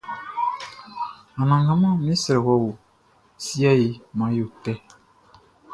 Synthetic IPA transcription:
ã˨nã˨ŋɡã˦mã˦˨mĩ˦sɛ˨ɾɛ˨kɔ˧wo˨ | si˦a˦i˨mã˨jo˨tɛ˦

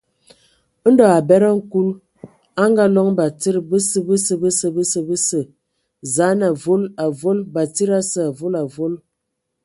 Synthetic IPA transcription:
n̩˦dɔ˨a˨bɛ˦ɾə˦ŋ̩˦ku˦l | a˦ŋɡa˦lɔ˦ŋba˨ti˦ɾbə˦sə˦bə˦sə˦bə˦sə˦bə˦sə˨bə˦sə˨ | za˨˦na˨vo˦la˨vo˦lba˨ti˦ɾa˦sə˦a˨vo˦la˨vo˦l

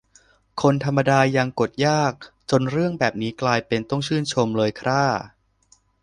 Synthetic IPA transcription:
kʰo˧nt̪ʰa˧mːa˧daː˧ja˧ŋko˨˩t̪̚jaː˥˩k̚t͡ɕo˧nɾɯ˥˩əŋbɛː˨˩p̚niː˦˥klaː˧jpe˧nt̪ɔ˥˩ŋt͡ɕʰɯː˥˩nt͡ɕʰo˧mlɤː˧jkʰɾaː˦˥˩

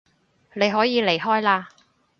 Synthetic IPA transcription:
ne˨˧jɦɔː˨˥jiː˨˧le˨˩jɦɔː˥jlaː˧

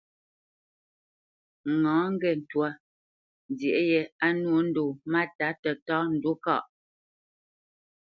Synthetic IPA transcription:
ŋɔ̃ː˨˦ŋ̩˦ɡɛ˦˨n̩˨twa˨˦˨ | dje˨ʔjɛ˨a˦nwo˦n̩˦do˨ma˦ta˨˦tə˨tɔː˦n̩˨du˦kɔ̰˦˨ʔ

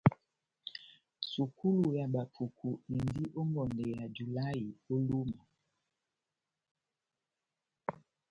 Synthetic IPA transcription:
su˨ku˦lu˨ja˨ɓa˨pʰu˨kʰu˨i˨ndi˦ʔo˦ŋɡɔ˨nde˨ja˨d͡ʒu˨la˦i˨o˦lu˦ma˨

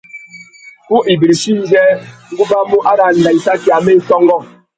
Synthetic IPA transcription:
ku˦ʔi˨bi˨ɾi˨ʃi˦n˦d͡ʒɛ˦ŋ̩˦ɡu˦ba˦mu˦ʔa˦ɾa˨n̩˨da˨i˨sa˦ki˨a˨me˦sɔ˦ŋɡɔ˦˨

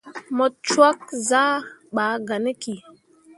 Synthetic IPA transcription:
mɔ˨t͡ʃwa˦k̚za˦ɓa˨˦ɡa˨ne˦ki˨

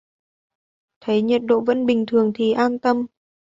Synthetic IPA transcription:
t̪ʰə˨˦jɲə˨˩t̚ɗo̰˧˨və̰˧˥nɓï˨˩ŋ̟t̪ʰɨ˨˩əŋt̪ʰi˨˩ʔaː˧nt̪ə˧m

